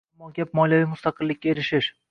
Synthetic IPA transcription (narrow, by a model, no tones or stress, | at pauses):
mɒɡʲap̚mɒljavimʊst̪ɑqɨlːɪkʲːae̞ɾɪʃɪʃ